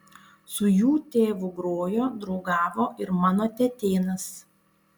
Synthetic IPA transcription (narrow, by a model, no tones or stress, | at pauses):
sʊjuːt̪ʲeːʋʊɡɾoːjoːd̪ɾɔʊɡɑːʋoːʔɪɾmɑːnoːt̪ʲɛt̪ʲeːnɐs